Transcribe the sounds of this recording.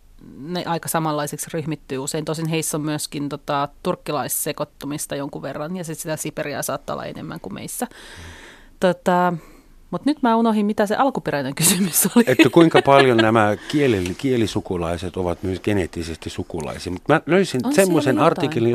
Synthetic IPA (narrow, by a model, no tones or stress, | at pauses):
nḛʔɑikɑsɑmɑlːɑiseksryhmit̪ːyːuseint̪oisenɦeisːommyøskint̪ot̪ɑt̪urkːilɑissekot̪ːomist̪ɑjoŋkuʋerːɑnjɑsit̪sit̪æsiperiæ̰sɑːt̪ːɑo̰lːɑ̰ḛnḛmːæ̰ŋkumʔḛisːæ | t̪ot̪ɑ | mut̪nyt̪mæːunohimmit̪æsḛʔɑlkuperæineŋkysymysoliet̪ːækuiŋkɑpɑljonnæmækielelːikielisukulɑiset̪oʋɑt̪myøsɡ̥eneːt̪ːisest̪isukulɑ̰isiːmut̪mæløisinsemːosenɑrt̪ikːelin